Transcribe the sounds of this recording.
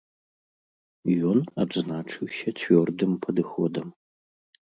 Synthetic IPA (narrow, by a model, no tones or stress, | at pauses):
jona̰bznaːʈ͡ʂʰɨwɕɐtʰvʲordɨmpʰɐd̪ɨxod̪ɐm